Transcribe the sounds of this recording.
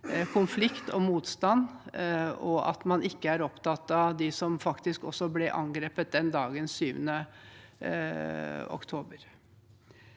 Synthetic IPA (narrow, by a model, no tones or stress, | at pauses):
kʰʊnflɪkt̪ɔmuːt̪st̪ɑn | ɔʔɑ̰t̪mɑnɪkːəæɾɔpt̪ɑt̪ːɑd̪ɪsɔmfɑkt̪ɪskɔ̰sːɔblɛʔɑ̰ŋɡɾeːpət̪̚d̪ɛnd̪ɑːɡənsyːʋənə | ɔ̰kt̪ʰoːbəɾ